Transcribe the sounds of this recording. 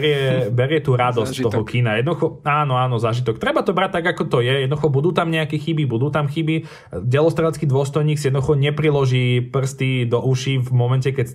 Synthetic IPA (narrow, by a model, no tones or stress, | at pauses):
ɾɪɛbɛɾɪɛt̪uːɾad̪ɔstt̪ɔɦɔkinajɛd̪nd̪uxɔaːnɔaːnɔzaːʒit̪ɔkt̪ɾɛbat̪ɔbɾac̚t̪aɡakɔt̪ɔjɛjɛd̪nɔd̪uxɔbud̪uːt̪amɲɛakɛxibibud̪uːt̪amxibi | ɟɛlɔst̪ɾaːt͡skiːd̪ʋʊɔst̪ɔjɲiːksijɛd̪nd̪uxɔɲɛpɾilɔʒiːpr̩st̪id̪ɔʔuʃivmɔmɛncɛkɛc